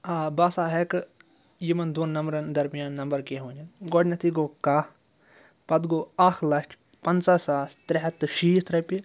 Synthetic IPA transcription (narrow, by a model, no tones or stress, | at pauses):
aːbaːsaːɦɛkɨ | jimɐnd̪oːnːɐmbɾɐnd̪ɐɾmijaːnːɐmbɐɾkeɦõːniɡoːɖnɐt̪ʰiɡoːkaː | pɐd̪ɡoːaːxʰlɐt͡ʃ | pɐnt͡saːsaːst̪ɾɛɦɐt̪ːɨʃiːt̪ɾɐpi